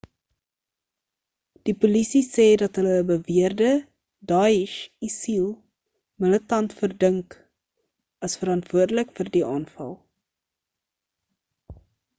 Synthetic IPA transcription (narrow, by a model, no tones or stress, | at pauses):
d̥ipulisisɛːdɐtɦələːbəviərdə | dɑːiʃisilˠ | mələtɐntfərdəŋk | ɐsfəɾɐntv̥uərdələkfərdiʔɑːnfɐ̰lˠ